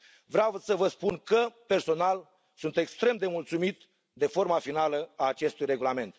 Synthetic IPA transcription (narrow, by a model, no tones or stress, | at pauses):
vɾeavsəvəspunkəpe̞rso̞nal | sunt̪e̞kst̪ɾe̞md̪e̞mult̪sumit̪ | d̪e̞fo̞rmafinaləaːt͡ʃe̞st̪ujre̞ɡulame̞nt̪